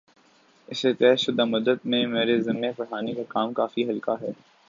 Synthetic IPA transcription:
ɪset̪ɛɦ̪ʃʊd̪amʊd̪əd̪̚mẽmeːɾezɪmːefɐɽ̤aːnekakaːmkaːfiɦɐlkaɦɛː

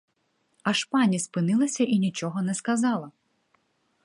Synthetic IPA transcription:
ɐʃpɑnʲispɪnɪlˠɐsʲɐʔinʲit͡ʃɔɦɔnɛskɐzɑlˠɐ

